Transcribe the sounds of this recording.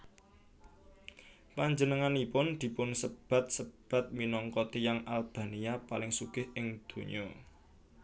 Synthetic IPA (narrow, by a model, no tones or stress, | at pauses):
paɲd͡ʒənəŋanipʊnd̪̥i̤pʊnsəb̥a̤t̪̚səb̥a̤t̪̚minɔŋkɔt̪ijaŋʔalb̥a̤niapalɪŋsuɡ̥ɪhɪŋd̪̥o̤ɲɔ